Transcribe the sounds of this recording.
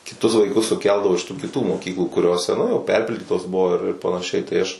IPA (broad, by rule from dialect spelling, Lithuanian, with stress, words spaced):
kʲɪˈtʊs ʋɐɪˈkʊs sʊˈkʲɛlˠdɐʋoː ɪʃ tuː kʲɪˈtuː moːˈkʲiːklˠuː kʊˈrʲoːsʲɛ ˈnʊ jɛʊ ˈpʲɛrʲpʲɪlʲdʲiːtoːs ˈbʊʋoː ɪr ɪr pɐnɐˈʃʲɛɪ tɐɪ ˈɐʃ